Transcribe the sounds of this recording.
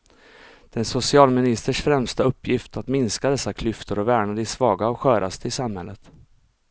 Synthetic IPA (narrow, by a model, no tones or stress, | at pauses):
d̪̥ɛnsʊsɪɑːlmɪnɪst̪əʂfɾɛmst̪aɵpːjɪft̪at̪mɪnskad̪ɛsːakʰlʏft̪ʰəɾɔvæːɳad̪əɪsvɑːɡaɔkɧœːɾʔa̰st̪əɪsamhɛlːət̪